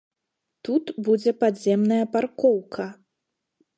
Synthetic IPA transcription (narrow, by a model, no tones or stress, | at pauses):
t̪ut̪bud͡zʲɛpad̪zʲɛmnɐjɐparkɔwkʰɐ